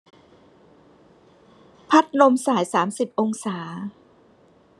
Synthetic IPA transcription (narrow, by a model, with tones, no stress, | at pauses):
pʰa˦˥t̪̚lo˧msaː˩˦jsaː˩˦msi˨˩p̚ʔo˧ŋsaː˩˦